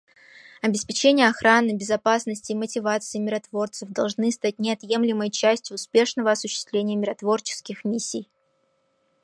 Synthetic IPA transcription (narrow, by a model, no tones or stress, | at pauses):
ɐbʲɪspʲɪt͡ɕenʲɪjəɐxɾanɨbʲɪzɐpasnəsʲtʲɪːmətʲɪvat̪sɨɪmʲɪɾɐt̪vo̞rt̪sɨfd̪ɐlˠʐnɨst̪at̚ʲnʲɪɐt̪je̞mlʲɪməjt͡ɕæsʲtʲjʊːspʲe̞ʂnəvəɐsʊɕːɪ̥st̪vlʲenʲɪjəmʲɪɾɐt̪vo̞rt͡ɕɪ̥skʲɪxmʲisʲːij